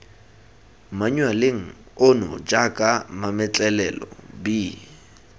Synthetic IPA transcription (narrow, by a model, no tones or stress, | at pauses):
maɲwalɪŋ̩ | onʊ̰d͡ʒakʼamamɛt͡ɬʼɛlɛlɔ̰bi